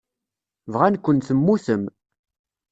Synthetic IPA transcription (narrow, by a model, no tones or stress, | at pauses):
vʁænkʷːənθəmːuθəm